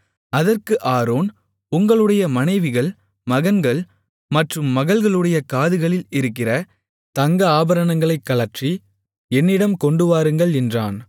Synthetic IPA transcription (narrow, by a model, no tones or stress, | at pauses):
ɐðɐrkɯʔaːɾoːn | ʊŋɡɐɭɯɽɐjɐmɐnɐɪʋɪɣɐɭ | mɐɣɐnɡɐɭ | mɐʈrɯmːɐɣɐɭɣɐɭɯɽɐjɐkaːðɯɣɐɭɪlɪɾɯkːɪrɐ | t̪ɐŋɡɐaːbɐɾɐɳɐŋɡɐɭɐɪkːɐlɐʈt͡ʃi | ɛnːɪɽɐmkɔɳɖɯʋaːɾɯŋɡɐɭɛndraːn